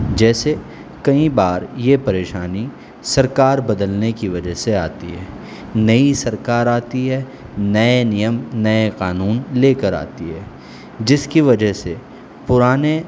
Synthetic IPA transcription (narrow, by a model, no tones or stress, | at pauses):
d͡ʒɛːse | kɐĩbaːɾjepɐɾeːʃaːni | sɐɾkaːɾbɐd̪əlnekiʋɐd͡ʒəɦsea̰ːt̪ḭɦɛː | nɐisɐɾkaːɾaːt̪iɦɛː | nɐenɪjəmnɐeqaːnuːnleːkəɾa̰ːt̪iɦɛː | d͡ʒɪskiʋɐd͡ʒəɦse | pʊɾaːne